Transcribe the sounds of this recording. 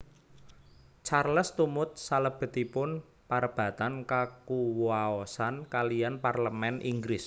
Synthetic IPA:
t͡ʃarləst̪umʊt̪̚saləb̥ə̤t̪ipʊn | paɾəb̥ä̤t̪ankakuwaɔsankalijanparləmɛnʔḭŋɡɾɪs

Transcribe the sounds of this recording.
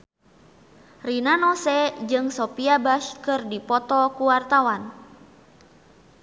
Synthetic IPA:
rinanɔsɛd͡ʒɨŋsɔpiabaʃkɨrdipɔt̪ɔkuwart̪awan

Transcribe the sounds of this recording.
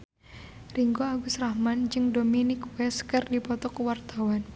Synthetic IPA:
riŋɡoaɡusrahmand͡ʒɨŋdominɪkwɛskərdipɔt̪ɔkwart̪awan

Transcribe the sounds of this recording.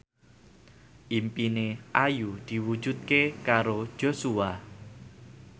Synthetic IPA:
ʔimpineʔajud̪̥i̤wu̥d͡ʒ̥ṳt̪̚kekaɾod̥ʒ̥o̤sua

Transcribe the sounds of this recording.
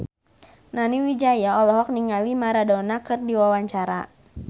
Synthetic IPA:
naniwid͡ʒajaɔlɔɦɔk̚niŋalimaɾadɔnakɨrdiwawaɲt͡ʃaɾa̰

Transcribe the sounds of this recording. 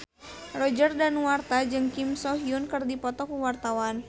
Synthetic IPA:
rɔd͡ʒərdanwart̪ad͡ʒɨŋkimsɔɦiunkɨrdipɔt̪ɔkuwart̪awan

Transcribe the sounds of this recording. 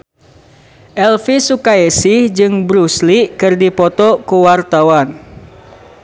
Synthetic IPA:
ʔɛlfisukaesihd͡ʒɨŋbɾuslikɨrdipɔt̪ɔkuwart̪awan

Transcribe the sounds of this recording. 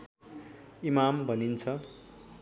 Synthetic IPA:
imambʱʌnint͡sʰʌ

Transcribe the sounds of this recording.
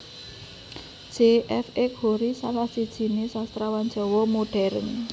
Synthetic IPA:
d̥ʒ̥eʔɛfɛkhoɾisalahsid̥ʒ̥i̤nesast̪ɾawan̥d͡ʒɔ̤wɔmoɖ̥ɛɾə̰n

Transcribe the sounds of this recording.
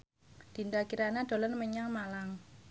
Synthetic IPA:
d̪̥i̤nd̪akiɾanad̪̥o̤lənməɲaŋmalaŋ

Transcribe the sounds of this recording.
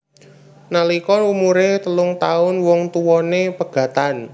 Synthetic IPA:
nalikɔlumuɾet̪əlʊŋt̪aʊnwɔŋt̪uwɔnepəɡ̥ä̤t̪an

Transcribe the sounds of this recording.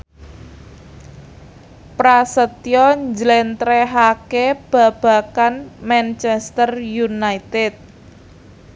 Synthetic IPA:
pɾasət̪jɔɲd͡ʒlɛnt̪ɾɛɦakeb̥ä̤b̥a̤kanmɛnt͡ʃɛst̪ərjunait̪ɛt̪̚

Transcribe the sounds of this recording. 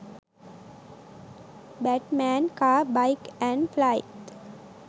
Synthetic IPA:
bæʈmæ̃ːnkaːbaɪkæ̃ɳɖflaɪʈ

